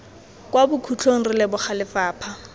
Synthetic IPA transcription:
kʼwabʊkʰut͡ɬʰoŋ̩rɪlɪbʊχalɪfaːpʰa

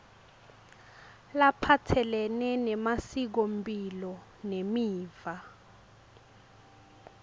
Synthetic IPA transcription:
lapʰatʰɛlɛnɛnɛmasik̬ompʼilɔ | nemiːva

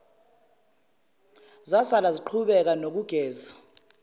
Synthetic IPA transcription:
zasalaziǃʰuɓɛk̬anok̬uɡ̥ʱɛːza

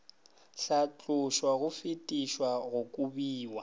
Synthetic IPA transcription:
ɬat͡ɬʼʊʃwaɣʊfɪtʼiʃwaɣʊkʼubiːwa

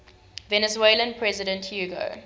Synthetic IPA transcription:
vɛnəzwelə̃npʰɹɛzɪdə̃nthjuːɡo̰

